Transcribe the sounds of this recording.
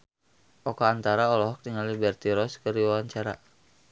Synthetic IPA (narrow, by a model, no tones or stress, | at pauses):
ʔɔkaant̪aɾaɔlɔɦɔk̚t̪iŋalibɛrt̪iɾɔskəriwawaɲt͡ʃaɾa̰